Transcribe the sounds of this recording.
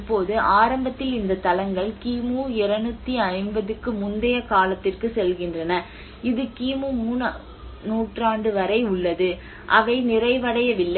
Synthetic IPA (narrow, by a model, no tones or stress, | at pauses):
pːoːðɯʔaːɾɐmbɐt̪ːɪlɪnd̪ɐt̪ɐlɐŋɡɐɭkiːmuːɪɾɐnɯt̪ːiɐɪmbɐðɯkːɯmʊnd̪ɐjɐkaːlɐt̪ːɪrkɯsɛlɣɪndrɐnɐ | ɪðɯkiːmuːmuːn | nuːʈraːɳɖɯʋɐɾɐɪʊɭːɐðɯ | ʔɐʋɐɪnɪrɐɪʋɐɽɐjɐʋɪlːɐ